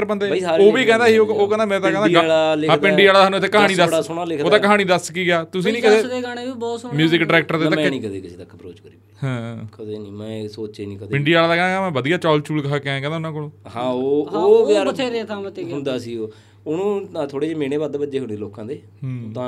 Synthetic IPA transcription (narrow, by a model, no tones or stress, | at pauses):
ɾbənd̪eːaːoːʋiːkɛ̃ːnd̪aːɦiːoːoːkɛ̃ːnd̪aːmeːɾeːt̪aːkɛ̃nd̪aːlaːlɪãːpɪɳɖiːaːlad̪aɦnũːt̪ʰːeːkəɦaːniːd̪əaːsʊɳaːlɪkʰdoːd̪aːkəɦaːɽ̃iːd̪əskiːɡɪaːt̪ʊsĩːnĩːkɪt̪eːd̪eːɡaːɽeːʋiːbɔːtsmjuːzɪkɖəɾɛːk̚ʈəɾd̪eːt̪aɛ̃nĩːkəd̪eːkɪseːt̪əkːbɾo̰ːt͡ʃkəɾiː | hãːkət̪eːniːmɛ̃ːsoːt͡ʃeːnĩːkəd̪pɪɳɖiːaːlaːd̪aːkɛ̃nd̪aamɛ̃ːʋəd̪ijaːt͡ʃɔːlt͡ʃuːlkaːkɪɛ̃kɛ̃nd̪aʊnãːkoːlõːhãːooːaːɾət̪ʰeːɾet̪ʰaːmt̪eʊnd̪aːsiːoː | ʊnũːt̪ʰoːɽeːd͡ʒeːmeːneːbaːd̪eːbəd͡ʒeːɦʊniːd̪loːkãːd̪eː | ɦːt̪ãː